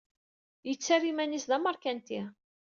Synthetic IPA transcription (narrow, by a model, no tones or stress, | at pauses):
jət͡sːæɾimænisðæməɾˤkænt̪i